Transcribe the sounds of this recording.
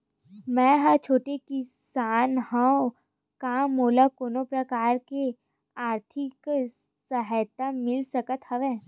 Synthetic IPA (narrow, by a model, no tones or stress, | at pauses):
mɛ̃ːɦəɾt͡ʃʰoːʈekɪsaːnɦɐo | kamːoːlakoːnopɾɐkaːɾke | aːɾt̪ʰɪk | səɦəjt̪amɪlsɐkət̪hɐʋeː